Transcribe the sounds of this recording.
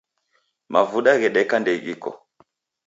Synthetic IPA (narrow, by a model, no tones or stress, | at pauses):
mavuɗaɣɛɗɛkandɛiɣḭkɔ̰